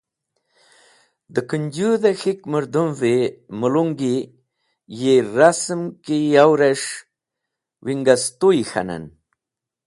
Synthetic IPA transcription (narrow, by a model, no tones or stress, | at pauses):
d̪əkiɲd͡ʑuðaxikməɾd̪umvemuluŋɡi | jeɾasmkijawɾaʂ | wiŋɡast̪uixa̰na̰n